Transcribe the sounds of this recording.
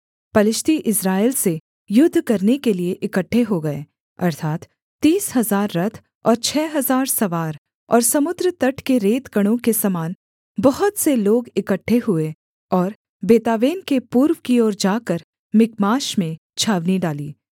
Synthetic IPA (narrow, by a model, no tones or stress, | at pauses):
pɐlɪʃt̪iʔɪsɾaːelse | jʊd̪ʱːkɐɾnekelieʔɪkəʈʰːeɦoɡɐeː | ɐ̰ɾt̪ʰaːt̪ː | iːsɦɐzaːɾːɐt̪ʰ | ɔ̰ːɾt͡ʃʰɛːɦɐzaːɾsɐʋaːɾ | ɔ̰ːɾsɐmʊd̪ɾət̪ɐʈʰkeɾeːt̪ɡɐɽ̃õkesɐmaːn | bɐɦʊt̪seloːɡɪkəʈʰːeɦʊe | ɔːɾ | beːt̪aːʋeːnkepuːɾʋkiɔːɾd͡ʒaːkəɾ | mɪkmaːʃmẽ | t͡ʃʰaːʋniɖaːliː